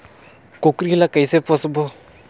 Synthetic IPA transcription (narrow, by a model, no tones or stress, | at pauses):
kokɾilakəjsepɔsbo